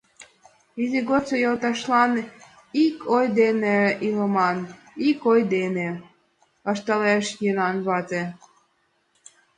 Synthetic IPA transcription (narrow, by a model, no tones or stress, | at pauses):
izeɣot͡sojɤlt̪ɑʃlɑn | ikʰojd̪eneilɤmɑn | ikojd̪ene | əʃt̪ɑleʃjenɑnβɑt̪ʲe